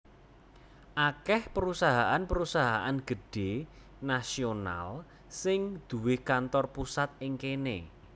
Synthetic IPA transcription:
ʔakɛhpəɾusaɦaʔanpəɾusaɦaʔanɡ̥ə̤ɖ̥e̤ | nasiona̰l | sɪŋd̪̥ṳwɪhkant̪ɔrpusat̪̚ɪŋkene

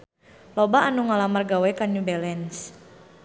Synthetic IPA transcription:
lɔbaʔːnuŋalamarɡawɛkanubɛlɛns

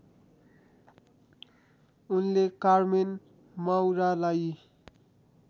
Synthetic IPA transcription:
unlekarmen | mawɾalaj

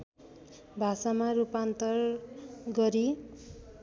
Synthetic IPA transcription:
bʱasamarupant̪ʌrɡʌɾi

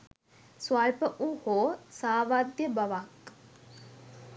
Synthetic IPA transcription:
swajpəʔuhoːsaːʋad̪jəbaʋak

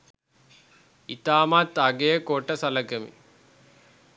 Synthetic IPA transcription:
it̪aːmat̪ɐɡejəkoʈːɐsɐlɐɡemḭ

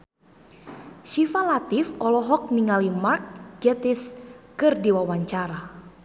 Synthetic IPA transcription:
ʃifalat̪ɪfɔlɔɦɔk̚niŋalimark̚ɡɛt̪ɪskɨrdiwawaɲt͡ʃaɾa

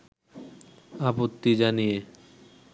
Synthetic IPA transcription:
apot̪ːid͡ʑanije

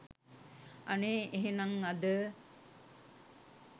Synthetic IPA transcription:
ɐneːʔeɦenɐŋɐd̪ə

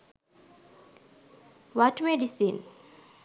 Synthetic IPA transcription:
watmɛdisin

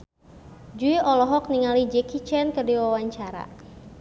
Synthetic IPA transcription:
d͡ʒuiʔɔlɔɦɔk̚niŋalid͡ʒɛkit͡ʃɛnkərdiwawaɲt͡ʃaɾa̰

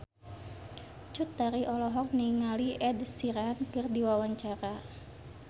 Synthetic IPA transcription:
t͡ʃut̪aɾiʔɔlɔɦɔk̚niŋaliʔɛdsiɾankɨrdiwawaɲt͡ʃaɾa

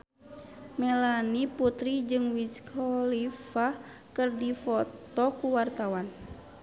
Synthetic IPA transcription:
mɛlaniput̪ɾid͡ʒɨŋwiskʰɔlifa | kɨrdifɔt̪ɔkuwart̪awan

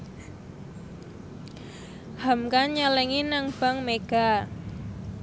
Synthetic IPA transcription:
hamkaɲalɛŋinaŋb̥a̤ŋmeɡ̥a

